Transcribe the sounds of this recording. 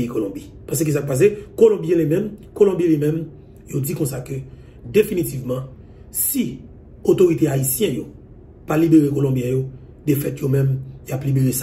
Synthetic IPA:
ikolɔ̃bi | pãs̬əkis̬akpas̬ekolɔ̃bjɛ̃lemɛ̃mkolɔ̃bjɛ̃lemɛ̃m | jod̪ikɔ̃sakø | d̪efinit̪ivmɑ̃ | si | ot̪oʁit̪eaisjɛ̃jo | palibeʁekolɔ̃bjɛ̃jo | d̪efɛt̪jomɛ̃mjaplibeʁesa

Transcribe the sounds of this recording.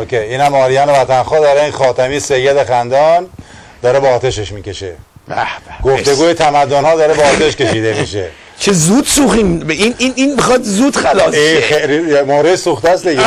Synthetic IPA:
okʰejiːnæmɒːɾijɒːnevæt̪ʰænxɒːd̪ɒːɾeixɒːt̪ʰæmiːsejːed̪exænd̪ɒːn | d̪ɒːɾebeːt̪ʰeʃeʃmiːce̞ʃḛ | ææɡ̥oft̪e̞ɡuːjet̪ʰæmæd̪ːonhɒːd̪ɒːɾebɒːt̪ʰeʃkʲe̞ʃiːd̪emḭʃḛ | t͡ʃʰezuːd̪suxiːmbeinininmixɒːd̪zuːd̪̥xælɒːsieɾiemoɾesuːxt̪æsd̪iɡe

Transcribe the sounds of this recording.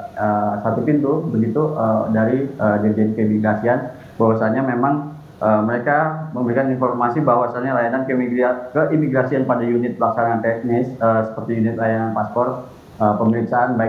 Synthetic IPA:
əsat̪up̪int̪ubəɡit̪uədaɾiədediankəimiɡɾasian | bawasaɲamemaŋ | ʔəməɾekaməmbəɾikaninfɔrmasibawasaɲalajanankəimiɡɾiakəʔimiɡɾasianpadajunɪt̪̚laksanaant̪ɛk̚nɪsəsə̥pərt̪ijunɪt̪̚lajananpaspɔr | əpəməɾik̚saʔanbaɪ

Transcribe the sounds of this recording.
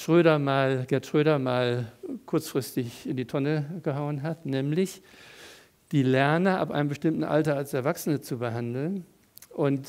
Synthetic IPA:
ʃʁ̥øːɾɐmaːlɡ̥ɛɐtʃʁ̥øːɾɐmaːlkʰʊɐt͡sfʁ̥ɪstɪçɪndiːtʰɔnəɡ̥əɦaʊənɦatnɛːmlɪç | d̥iːlɛɐnəʔa̰pʔa̰ɪnəmbəʃtɪmtn̩ʔa̰ltɐalsɛɐvaksən̩ət͡subəɦandl̩n | ʔʊnt

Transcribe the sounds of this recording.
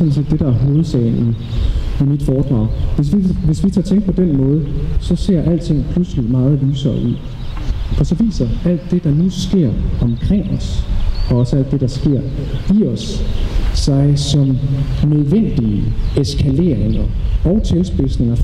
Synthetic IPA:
smn̩se̝̰ːd̥e̝ɾɑ̈æɐɦoːð̩ˠsɛɪni | imid̥fɒːd̥ʁɑ̈ʊ̰ʋe̝s̬ʋiʋe̝sʋit͡sʰɑ̈ːt͡sʰeŋɡ̥̚pʰɒd̥enmɔ̽ːð̞̩ˠsɒ̽se̝̰ɐ̰ʔæl̰d̥t͡sʰe̝ŋ̰pʰlusəlimɑ̈ːð̞̩ˠlyːsɒḭ | ɒ̽sɒ̽ʋḭːsɐæl̰d̥ːe̝d̥ɑ̈nusɡ̥e̝ɐ̰ɒ̽mkʰʁeŋ̰ɒ̽sɒ̽ɒ̽səæl̰d̥e̝ɾ̥ɑ̈sɡ̥e̝ɐ̰ɡ̥ḭːɒsː | ɑ̈ɪsɒ̽mnøð̞ˠʋen̰d̥iəeskʰæle̝̰ːɐ̰eŋɐɒ̽ʊt͡sʰelsb̥e̝sne̝ŋɐ

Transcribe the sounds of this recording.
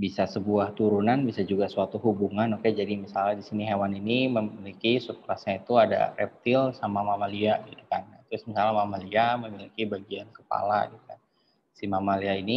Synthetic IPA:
bisasəbuaht̪uɾunanbisad͡ʒuɡasuat̪uhubuŋanokad͡ʒadimisaladisiniɦewaniniməmilikisukɾasɲait̪uada̰rɛ̰p̚t̪ɪlsamamamaliaɡit̪u̥kant̪ɾʊsmisalamamaliaməmilikibaɡiankə̥pa̰la̰ɡit̪u̥kan | simamaliaini

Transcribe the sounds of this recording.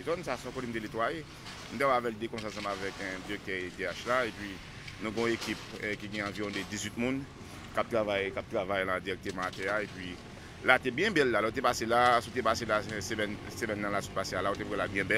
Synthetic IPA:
zɔnsasɔ̃kolimt̪elet̪waje | m̩t̪ewaavɛld̪ekɔ̃sãs̬ãmavɛkɛ̃d͡ziɣɛk̚t̪ɛed̪eaʃlaepɥi | nũɡɔ̃ekipkiɡɛ̃ãviʁɔ̃d̪ed͡zizɥit̪̚mũn | kap̚t̪ʁavajkap̚t̪ʁavajlãd͡ziɛk̚t̪ɛmat̪ɛaepɥi | lat̪ebjɛ̃bɛlːalɔot̪̬epaselasut̪epaselasemɛnsemɛnːãlasut̪pasealaot̪epwɛlabjɛ̃bɛl

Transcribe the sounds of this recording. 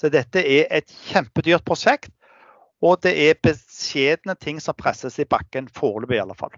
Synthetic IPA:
sɔd̪ɛt̪ːəɛɾʔɛt̪çɛmpəd̪yːʁt̪̚pʰʁʊʃɛkt̪ | ɔd̪ɛʔɛbəsjeːd̪ənət̪ʰɪŋːsɔmpʰɾɛsəsɪbɑkːənfoːʁlʉːbɪɑlːəfɑ̰l

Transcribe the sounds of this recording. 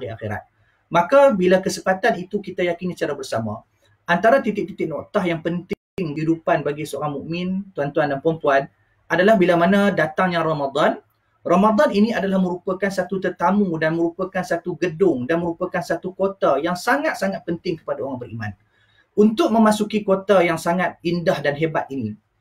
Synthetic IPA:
iaxeɾa̰t̪̚ | makabilakəsəpat̪anit̪ukit̪ajakinisə̥t͡ʃaɾabərsamã̰ | ʔant̪aɾat̪it̪ɪk̚t̪it̪ɪk̚nɔʔt̪ahjaŋpənt̪ | ŋɦidupanbaɡisəoɾaŋmuʔmɪ̃nt̪uant̪uandanpɾəmpuan | adalahbilamanãdat̪aŋjaŋramad̪an | romad̪aniniadalahmə̃ɾupakansat̪ut̪ərt̪amudanmə̃ɾupakansat̪uɡədʊŋdanmə̃ɾupakansat̪ukot̪ajaŋsaŋat̪̚saŋat̪̚pənt̪ɪŋkə̥padaoɾaŋbəɾima̰n | unt̪ʊʔ̚mə̃masukikot̪ajaŋsaŋat̪̚indahdanɦebat̪̚ini

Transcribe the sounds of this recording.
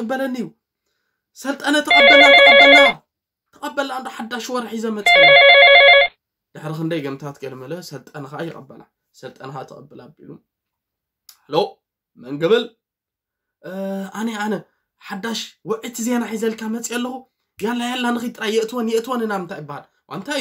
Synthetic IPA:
kʼɨbːɐlɐnːijːu | sɐlt̪ʼɐnɐt̪ʰɨkʼɐbːɐlat̪ɨkʼɐbːɐlːɐwa | t̪ʰɐkʼɐbːɐland̪ʼoħad̪aʃwɔɾħizɐmɐt͡sʼː | d̪̥ɨħɾixɨnd̪ɐjɡɐmt̪ʰat̪ɡɐlmɐlɐsɐlt̪ʼɐnɐkajːɪkʼɐbːɐla | sɐlt̪ʼɐnxat̪ʰɨ̰kʼɐbːɨlabḭlu | lo | mɐŋɡɐβɨl | ʔaneanɐ | ħad̪ːaʃwɔʕɨt̪ʰizenaħizɐlkʰamɐt͡sʼijɐlːɐxu | ɡijalːajalːanɨxɨjt̪ʼɾajɛʔt̪ʰɨwonjɛʔt̪ʰwonɨnaβɨnt̪ʰajɪbːahal | wʔa̰nt̪ʰa

